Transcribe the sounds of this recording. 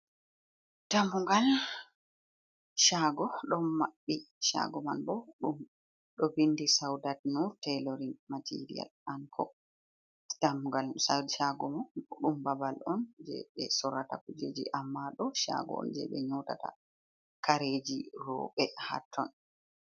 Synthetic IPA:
tambuŋɡal | ʃaɡɔɗɔnmaɓːiʃa̰ɡɔma̰nbɔɗum | ɗɔbindisawdatnuɾtɛloɾinmatʰḭɾḭja̰lankʰɔ | tamuŋɡalsadʃaɡɔmanɗumbabalʔɔnd͡ʒɛ̰ɓɛsɔɾatakud͡ʒed͡ʒḭʔamːaɗɔʃa̰ɡɔ̰ɔ̰nd͡ʒɛ̰ɓɛɲɔtata̰ | kaɾed͡ʒiɾɔ̰ɓɛha̰tʰːɔn

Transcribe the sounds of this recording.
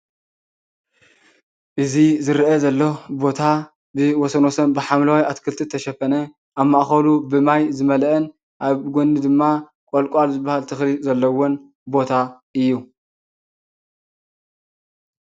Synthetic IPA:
ʔɨzizɨɾʔɐzɐlːobo̞t̪ʰa | bɨwɔsɐnosɐnbɨħamlawajat̪kʰɨlt̪ʰɨt̪ʰɐʃɐfɐnɐ | ʔaβmaʔxɐlubɨmajzɨmɐlʔɐn | ʔaβɡo̞ndid̪ɨmːa | kʷʼolkʷʼalzɨbːahalt̪ʰɨxɾizɐlːɐwon | bo̞t̪ʰaʔɨjːu

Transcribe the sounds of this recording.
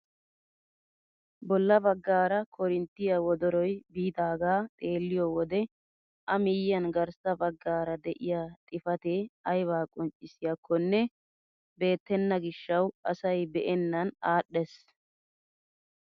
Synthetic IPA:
bɔlːɐbɐɡːaːɾɐkʰɔɾɪnt̪ːɪjɐwɔd̪ɔɾɔjbiːd̪aːɡaːt̪ʼe̞ːlːɪjɔwɔd̪ɛ | ʔɐmɪjːɐnɡɐɾsɐbɐɡːaːɾɐd̪ɛʔɪjaːt̪ʼɪfɐt̪eːɐjβaːkʼɔnt͡ʃʼːɪsɪjɐkʰːɔnːɛ | be̞ːt̪ːɛnːɐɡɪʃːɐwɐsɐjbɛʔɛnːɐnaːɗːɛs

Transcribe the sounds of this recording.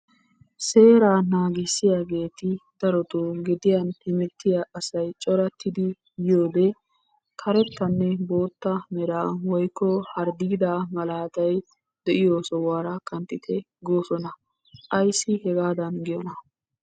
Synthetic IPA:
se̞ːɾaːnaːɡɪsːɪjaːɡe̞ːt̪ɪd̪̥ɐɾɔt̪uɡɪd̪ɪjanhɪmɛt̪ːɪjaʔɐsɐjt͡ʃʼɔɾɐt̪ʰːɪd̪ɪ | jo̞ːd̪ɛ | kʰɐɾɛt̪ːɐnːɛbo̞ːt̪ːɐmɛɾaːwɔjkːɔhɐɾd̪iːd̪amɐlaːt̪ɐj | d̪̥ɛʔɪjoːsɔwaːɾɐkɐnt̪ʼːɪt̪ʰɛ | ɡoːsɔnɐ | ʔɐjsːɪhɛɡaːd̪ɐnɡɪjɔnɐ

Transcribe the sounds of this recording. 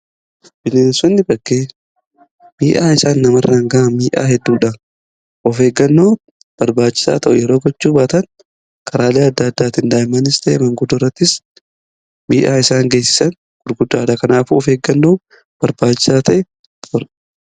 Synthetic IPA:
b̥ɪneːnsɔnːɪbɐkːeː | miːʔaːɪsaːnːɐmɐrːɐŋɡɐʔɐmiːʔa̰ːɦɛd̪ːuːᶑɐ | ʔɔfe̞ːɡːɐnːo̞ː | b̥ɐɾbaːt͡ʃːɪ̥sa̰ːt̪ɐʔʊjɛɾo̞ːɡɔt͡ʃːuːbaːt̪ɐŋ | kʰɐɾaːleːɐd̪ːɐːd̪ːaːt̪ɪnd̪aːɪmɐnɪst̪ɐʔɛ̰mɐŋɡʊd̪ɔrːɐt̪ːɪs | miːʔaːɪsaːŋɡeːsɪ̥sɐn | ɡ̥ʊɾɡʊd̪ːaːd̪ɐkɐnaːfuɔfeːɡːɐnːoː | b̥ɐɾbaːt͡ʃːɪ̥saːt̪ɐʔɛ | ɔɾ

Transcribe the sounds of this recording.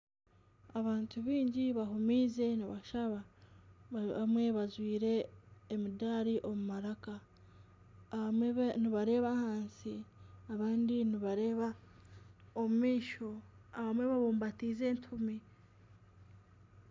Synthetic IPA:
aβaːntuβiːɲɟiβaɦumiːze̞niβaʃaβa | βamwe̞βazwiːɾe̞ːmidaːɾiʔo̞mumaɾaka | niβaɾe̞ːβahaːnsiaβaːndiniβaɾeβa | omumiːʃo̞aβamwe̞βaβuːmbatiːze̞ːntʰumi

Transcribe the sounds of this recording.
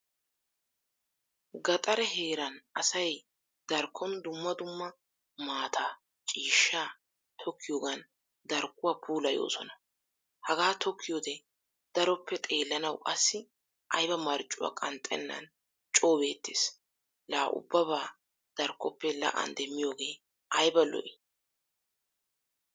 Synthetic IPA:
ɡɐt̪ʼɐɾɛɦe̞ːɾɐnʔɐsɐj | d̪̥ɐɾkʰːɔnd̪ʊmːɐd̪ʊmːɐ | maːt̪ʰaː | t͡ʃʼiːʃːaː | t̪ʰɔkʰːɪjoːɡɐn | d̪ɐɾkːʊwaːpʰuːlɐjo̞̰ːsɔnɐ | hɐɡaːt̪ʰɔkʰːɪjoːd̪ɛ | d̪̥ɐɾɔpːɛt̪ʼeːlːɐnɐwʔɐsːɪ | ʔɐjbɐmɐɾt͡ʃʼːʊwa̰ːkʼɐnt̪ʼɛ̰nːɐ̰n | t͡ʃʼoːbe̞ːt̪ːeːs | laːʔʊ̰bːɐbaː | d̪̥ɐɾkʰːɔpːɛlɐ̰ʔɐ̰nd̪ɛmːɪjo̞ːɡe̞ː | ʔɐjbɐlɔ̰ʔɪ

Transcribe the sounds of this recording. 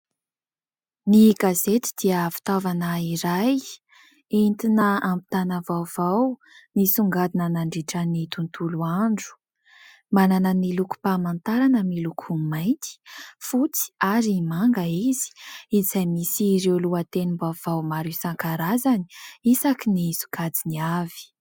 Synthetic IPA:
niɡazet̪i̥d̪̥iəfi̥t̪avanaiɾaj | int̪inəampi̥t̪anəvawv̥aw | nisuŋɡad̪inanaɳɖ͡ʐiʈ͡ʂanit̪unt̪uluaɳɖ͡ʐu̥ | mananəniluku̥pamant̪aɾanəmilukʰumajnt̪i̥fut͡si̥aɾimaŋɡəizi̥izajmisiɾewluat̪enimbav̥awmaɾisaŋkaɾazani̥isakinizu̥kad͡ziniavi̥

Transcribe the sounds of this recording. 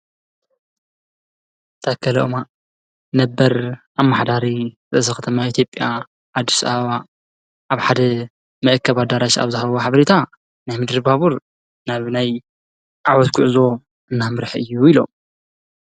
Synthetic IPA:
t̪ʰakʰːɐlɐ̰ʔma | nɐbːɐɾʔamːaħd̪aɾizɨzɐkʰɐt̪ʰɐmait̪ʰjopʼja | ʕad̪ːisɐaβɐβa | ʔaβħad̪ɐ | mɐʔɨkʰːɐβat̪̚d̪aɾaʃa̰βzɨhɐββoħaβɐɾet̪ʰa | najmɨd̪ɾɨβaβuɾ | naβnaj | ʔawɔt̪ɡʊʕzo̞ | ʔɨnːamɨɾħɨjːuilo̞̰m

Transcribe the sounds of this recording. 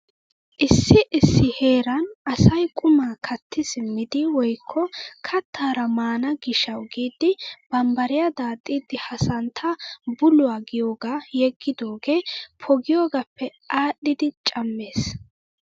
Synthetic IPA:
ʔɪsːɪʔɪsːɪhe̞ːɾɐnʔɐsɐjkʼʊmaːkʰɐt̪ʰːɪsɪmːɪd̪ɪwɔjkʰːɔkʰɐt̪ːaːɾɐmaːnɐɡɪʃɐwɡiːd̪ɪb̥ɐmbɐɾɪjad̪aːt̪ʼːiːd̪ɪhɐsɐnt̪ʰɐbʊlʊaːɡɪjo̞ːɡajɛɡːɪd̪oːɡeːpʰɔɡɪjoːɡɐpːɛʔaːɗːɪd̪ɪt͡ʃʼɐmːe̞ːs

